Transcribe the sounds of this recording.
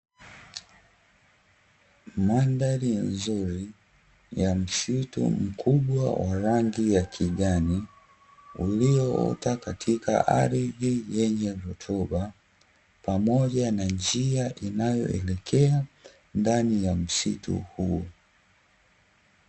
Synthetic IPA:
mandaɾinzuɾi | jam̩sitṵm̩kʰuɓwa̰waɾaŋɡijakʰiɠani | uliɔɔ̰takatʰika̰ʔa̰ɾiðijɛɲɛɾɔtʰɔɓa | pamɔʄanand͡ʒiaʔinajɔ̰ʔɛlɛkʰɛa | ndanijam̩sitṵhuɔ

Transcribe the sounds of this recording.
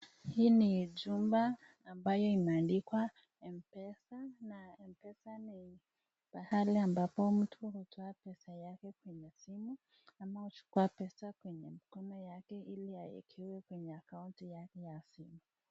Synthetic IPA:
hiːniʄumbaː | mbajɔimɛandikwa | ɛmpɛsanaɛmpɛsani | pahaliambapɔm̩tʰuhutʰɔapɛsajakɛkwɛɲɛsimu | amahut͡ʃu̥kuapɛsakwɛɲɛmikɔnɔjakɛʔiliaḭkʰiwɛkwɛɲɛakauntijakɛjasimu

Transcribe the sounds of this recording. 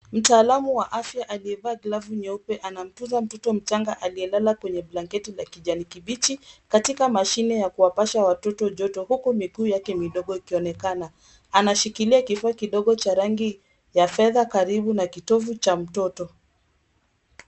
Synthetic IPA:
m̩taːlamuwaʔafjaʔaliɛvaːɡlavuɲɛupɛʔanam̩tuzam̩tɔtɔm̩t͡ʃaŋɡaʔaliɛlalakwɛɲɛblaŋkɛtilakiʄanikiɓit͡ʃikatikamaʃinɛjakuwapaʃawatɔtɔʄɔtɔhukumiɡuːjakɛmiɗɔɠɔikiɔnɛkana | anaʃikiliakifaakiɗɔɠɔt͡ʃaɾaŋɡi | jafɛðakaɾiɓunakitɔvut͡ʃam̩tɔtɔ

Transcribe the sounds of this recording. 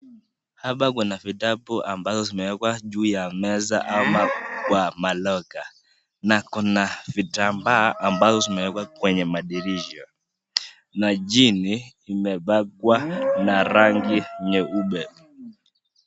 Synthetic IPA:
haɓakunavitapuʔambazɔzimɛwɛkwaʄuːjamɛza̰ʔamakwamalɔka | nakunavitambaːʔambazɔzimɛwɛkwakwɛɲɛmaɗiɾiʒɔ | naʄiniːmɛɓakwanaɾaŋɡiɲɛuɓɛ

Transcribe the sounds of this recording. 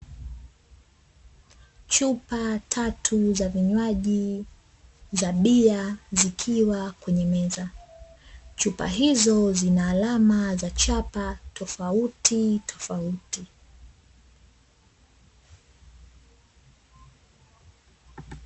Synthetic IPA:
t͡ʃupatʰatʰuzaviɲwaʄi | zaɓiazikʰiwakwɛɲɛmɛza | t͡ʃupa̰ɦizɔzinaːlamazat͡ʃapatʰɔfautʰitʰɔ̥fauti

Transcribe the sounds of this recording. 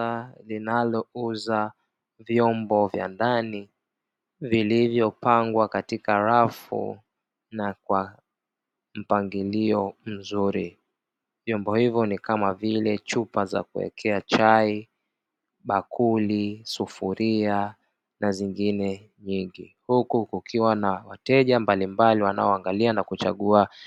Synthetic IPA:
alinalɔuza | vjɔmbɔvja̰ndani | vilivjɔpaŋɡwakatikaɾafṵ | nakwa | m̩paŋɡiliɔm̩zuɾi | vjɔmbɔhivjɔnikamavilɛt͡ʃupaza̰kuɛ̰kʰɛat͡ʃai | ɓakʰulisufuɾia | naziŋɡinɛ | ɲiŋɡi | hukukukʰiwanawatɛʄambalimbaliwana̰ɔaŋɡalianakut͡ʃa̰ɠua

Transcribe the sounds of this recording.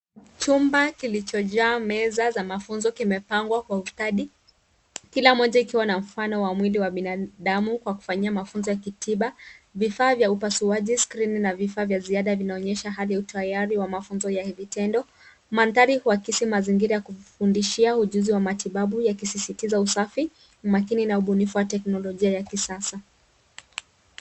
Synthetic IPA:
t͡ʃumbakilit͡ʃɔʄaːmɛzazamafunzɔkimɛpaŋɡwakwaustaɗi | kilamɔʄaikiwanam̩fanɔwamwiliwaɓinaɗamukwaku̥faɲiamafunzɔjakitiɓavifaːvjaupasuaʄiskɾininavifaːvjaziaɗavinaɔɲɛʃaɦalijautʰajaɾiwamafunzɔjahivitɛndɔ | mant̪aɾihuakisimaziŋɡiɾajakufundiʃiauʄuziwamatiɓaɓujakisisitizausafi | makininauɓunifuwatɛknɔlɔʄiajakisasa

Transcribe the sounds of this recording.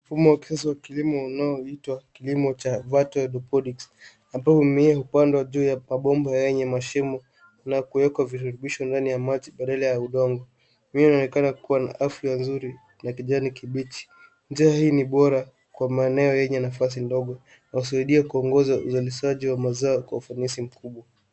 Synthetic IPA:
mm̩fumɔwaki̥sas̬iwakilimɔunaɔitwakilimɔt͡ʃavatɔɗɔpɔɗiks | ambahumiahupandwaʄuːjamaɓɔmbajɛɲɛmaʃɛmɔ | nakuɛkwavituɾuɓiʃɔndanijamad͡ʒiɓaɗalajauɗɔŋɡɔ | minaɔnɛkanakuwana̰ʔafianzuɾi | nakiʄanikiɓit͡ʃi̥ | nd͡ʒiahiːniɓɔɾa | kwamaɛnɛɔjɛɲɛnafas̬indɔɠɔ | nakus̬aiɗiakuɔŋɡɔzauzaliʃaʄiwamazaɔkwaufanisim̩kuɓwa

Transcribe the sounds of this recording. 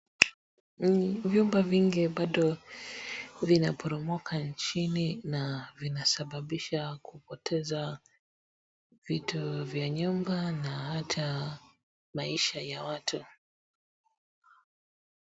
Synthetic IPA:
vjumbaviŋɡiɓaɗɔ | vinapʰɔɾɔmɔkʰant͡ʃininavinasaɓaɓiʃakupɔtʰɛza | vituvjaɲumbanahatʰa | maiʃajawatʰu

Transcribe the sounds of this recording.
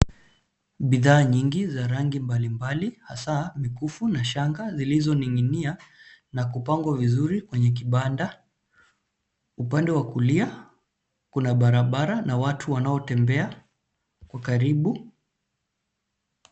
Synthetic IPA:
ɓiðaːɲiŋɡizaɾaŋɡimbalimbalihasamikufunaʃaŋɡazilizɔniŋinianakupaŋɡwavizuɾikwɛɲɛk̬iɓanda | upandɛwakulia | kunaɓaɾaɓaɾanawatʰuwanaɔtɛmbɛa | kwakaɾiɓu

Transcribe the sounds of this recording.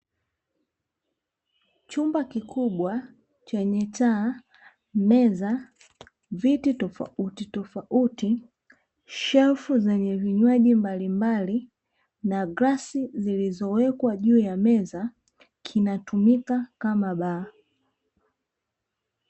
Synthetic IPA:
t͡ʃumbakikuɓwa | t͡ʃɛɲɛtaː | mɛza | vititɔfa̰utitɔfaʔuti | ʃɛlfuzɛɲɛviɲwaʄimbalimbali | naɡɾasizilizɔwɛkwaʄuːjamɛza | kʰinatumikakamaɓaː

